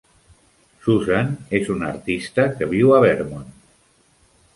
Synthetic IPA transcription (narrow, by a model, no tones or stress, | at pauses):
suzanezunaɾt̪ist̪akəβiwaβɛɾmon